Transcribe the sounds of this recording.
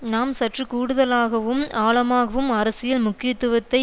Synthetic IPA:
naːmsɐʈrɯkuːɽɯðɐlaːɣɐʋɯmaːɭɐmaːɣɐʋɯmɐɾɐsɪjɐlmʊkːɪjɐt̪ːɯʋɐt̪ːɐɪ

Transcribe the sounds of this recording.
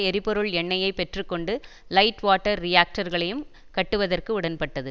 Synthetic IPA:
ɛɾɪpːɔɾɯɭɛɳːɐjɐɪpɛʈrɯkːɔɳɖɯ | lɐɪʈʋaːʈːɐɾːɪjaːk̚ʈɐɾɣɐɭɐjɯm | kɐʈːɯʋɐðɐrkɯʊɽɐnpɐʈːɐðɯ

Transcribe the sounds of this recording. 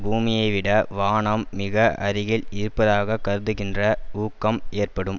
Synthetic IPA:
buːmɪjɐɪʋɪɽɐʋaːɳɐmːɪɣɐʔɐɾɪɣɪlɪɾɯpːɐðaːɣɐkːɐɾɯðɯɣɪndrɐuːkːɐmeːrpɐɽɯm

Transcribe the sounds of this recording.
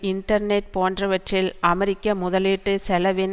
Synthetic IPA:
ɪɳʈɐɾneʈ̚poːndrɐʋɐʈrɪlʔɐmɐɾɪkːɐmʊðɐlɪʈːɯsɛlɐʋɪn

